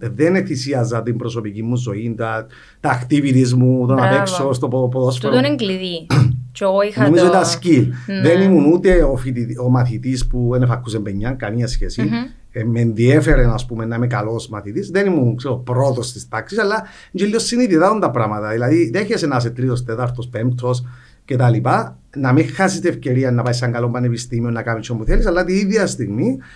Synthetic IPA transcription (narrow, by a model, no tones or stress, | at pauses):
ðeneθisiɐzːɐt̪imbɾo̞so̞picimːuzo̞int̪a | t̪akt̪ivit̪izmut̪onapeksost̪opopoðosfoooneŋɡliðit͡ʃooinomizoit̪ascilðenimunut̪e̞ofit̪iomaθit̪ispuenefakːusembeɲːaŋkaniɲɐsçesi | emenðiefeɾenaspumenːamekalo̞smaθit̪isðenimunkseɾopɾot̪ost̪ist̪aksisalːa | ɲd͡ʒilːiosːinit̪iðaont̪ɐpɾamɐt̪ɐðilɐðiðeçesenas̬et̪ɾios̬t̪et̪aɾt̪ʰospemt̪ʰo̞s̬ | cet̪alipa | namixːasist̪iefce̞ɾianːɐpaisːaŋɡalombanepist̪imionːɐkamit͡ʃʰːomuθelisalːat̪iiðjɐst̪iɣmi